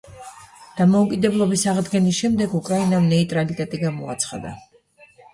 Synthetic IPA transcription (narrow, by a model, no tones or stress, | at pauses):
d̪̥amɔukʼid̪ɛblˠɔbisaʁd̪ɡɛnisʃɛmd̪ɛɡukʼɾainamnɛit̪ʼɾalit̪ʼɛt̪ʼiɡamɔa̰t̪sʰχa̰d̪a̰